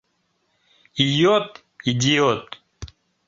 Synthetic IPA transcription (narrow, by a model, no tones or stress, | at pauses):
ijot̪ | id͡ʑijot̪